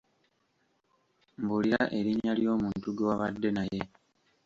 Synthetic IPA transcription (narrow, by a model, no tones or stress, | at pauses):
mbuliɾaʔe̞ɾiɲaljo̞ːmuːntuɡewaβadːe̞naje̞